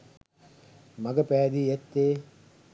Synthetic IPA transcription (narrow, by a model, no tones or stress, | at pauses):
mɐɡɐpæːd̪iːet̪ːeː